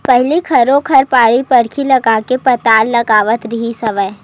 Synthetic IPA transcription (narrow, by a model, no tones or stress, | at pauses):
pɛɦlikʰɐɾõkʰɐɾpaːɽipɐɽ̤kʰilɐɡaːkepɐt̪aːlːɐɡaːʋət̪ɾɪɦisɐʋəj